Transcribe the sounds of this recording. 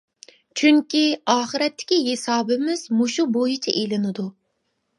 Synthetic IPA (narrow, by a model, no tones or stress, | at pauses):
t͡ʃʰyŋkʲiɑːχɨɾɛt̪ʰːɪ̥kʲiɦesɑːbɪmɪz̥muʃubojit͡ʃʰɛʔelɪnɪd̪u